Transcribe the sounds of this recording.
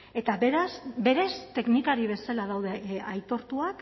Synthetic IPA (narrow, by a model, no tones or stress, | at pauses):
e̞t̪aβeɾasbe̞ɾe̞st̪e̞knikaɾiβ̞e̞salað̞awð̞e̞ajt̪o̞ɾt̪uak